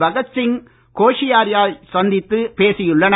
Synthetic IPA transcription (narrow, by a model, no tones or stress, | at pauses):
bɐɣɐt͡ʃːɪn | koːʂɪjaːɾjaːlsɐnd̪ɪt̪ːɯpeːsɪjɯɭːɐn